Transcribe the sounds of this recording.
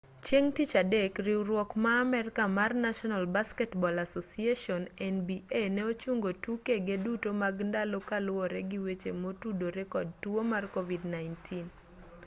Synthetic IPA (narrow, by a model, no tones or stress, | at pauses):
t͡ʃeŋtit͡ʃadekɾɪwɾwɔkmaːmɛrkamarnaʃɔnalbaskɛtbɔlasosieʃɔnɛnbienɛot͡ʃuŋɡotukeɡedutomaɡndalokalʊwɔɾɛɡɪwet͡ʃemotudoɾɛkɔd̚tuomarkovidnaɪntʰin